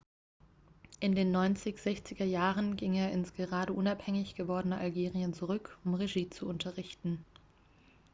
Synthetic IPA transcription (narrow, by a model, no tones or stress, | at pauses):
ʔɪndeːnːɔʏnt͡sɪçz̥ɛçt͡sɪɡɐjaːʁənɡɪŋeːɐɪnsɡ̥əʁaːɾəʔʊnaphɛŋɪçɡ̥əvɔɐdənəʔalɡeːʁiənt͡suʁ̞ʏkʰʊmʁeʒiːt͡suʔʊntʰɐʁɪçtn̩